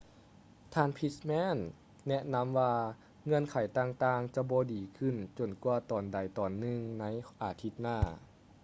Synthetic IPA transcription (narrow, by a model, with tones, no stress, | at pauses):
t̪ʰaː˧˨npʰi˧˦˥smɛː˧˥˨nː | ɛ˧ʔna˧˥mʋaː˧ | ŋɤ˧ə˨nkʰa˨˩jt̪aː˧ŋt̪aː˧ŋt͡ɕa˧˦bɔː˧˦diː˨˩kʰɯ˧˩˨nt͡ɕo˨˩nku˧ɐt̪ɔː˨˩nda˨˩jt̪ɔː˨˩nːɯ˧ŋna˧˥jʔaː˨˩t̪ʰi˧˥t̪̚naː˧˩